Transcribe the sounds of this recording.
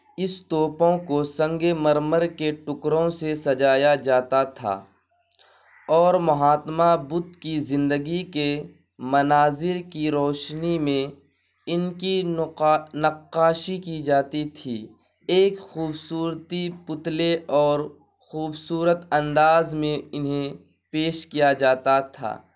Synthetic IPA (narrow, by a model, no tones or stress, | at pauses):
ɪst̪oːpõkosɐ̃ŋɡeməɾməɾkeʈʊkɾõsesɐd͡ʒaːjad͡ʒaːt̪at̪ʰa̰ː | ɔːɾmɐɦaːt̪mabʊd̪kizɪ̃nd̪əɡike | mɐnaːzɪɾkiɾɔːʃnimẽ | ɪnki | nɐqːaːʃikid͡ʒaːt̪it̪ʰiː | eːkxuːbsuːɾt̪ipʊt̪leɔːɾ | xuːbsuːɾət̪ɐ̃nd̪aːzmẽɪnɦẽ | peːʃkijad͡ʒaːt̪at̪ʰa̰ː